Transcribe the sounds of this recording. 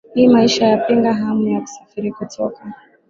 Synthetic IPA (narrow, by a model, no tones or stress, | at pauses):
hiːmaiʃajapiŋɡaɦamujaku̥safiɾikutʰɔka